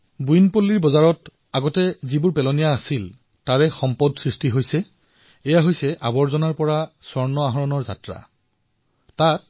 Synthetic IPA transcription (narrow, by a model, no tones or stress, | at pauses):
bujnpolːiɹbɔzaɹɔt | aɡɔtɛzibʊɹpɛlɔnijaːsil | taɹɛxɔmpɔdsɹistiɦojsɛ | ɛjaɦojsɛʔabɔɹzɔnaɹpɔɹasɔɹnɔaɦɔɹɔnɔɹza̰tɹa̰ | tat̚